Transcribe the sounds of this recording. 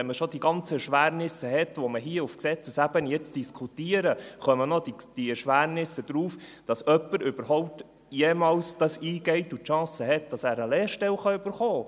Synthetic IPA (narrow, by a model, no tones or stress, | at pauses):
ɛnməʃɔd̥iɡɑnt͡səɛʃʋæːɾnɪsəhɛtʋɔməɦiəufksɛt͡səsæbənjɛt͡sd̥iskʰutiːəɾəχœmənɔdid̥iɛɾʃʋæːɾnɪsːəd̪ɾuːfd̥ɑsœpːəɾʏbəɾɦɔʊp̚t̪ | jɛːmɑːlsd̥ɑsiːɡ̥ɛɪtutʃɑ̃ːsəɦɛt̚d̥ɑsæːɾəleːɾʃtɛlχɑʏb̥əɾχoː